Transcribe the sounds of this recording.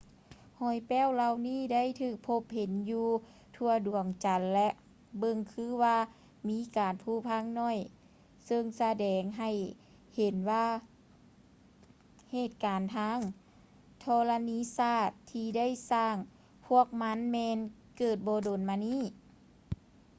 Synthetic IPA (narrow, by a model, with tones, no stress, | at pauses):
hɔː˧˩jpɛː˧˥˨wla˧˨wniː˧˥˩da˥˨jt̪ʰɯː˧˩k̚pʰo˧˥p̚he˨˦njuː˧ | t̪ʰu˧ɐdu˨˩əŋt͡ɕa˨˦nlɛ˧ʔ | bɤ˧ŋkʰɯː˧˥˦waː˧ | miː˧˥kaː˨npʰuː˧˩pʰa˧˥˨ŋnɔː˧˥˩j | sɤ˧ŋsa˧dɛː˨ŋɦa˧˩j | he˨˩˦nwaː˧ | heː˧˩t̪̚kaː˨˩nt̪ʰaː˧˥˨ŋ | t̪ʰɔː˧la˧niː˧˥˨saː˧˥˩t̪ʰːiː˧da˥˨jsaː˧˩ŋ | pʰu˧˥˩ək̚ma˧˥˨nmɛː˧n | kɤː˧˩t̪̚bɔː˧doː˨˩nmaː˧niː˧˥˩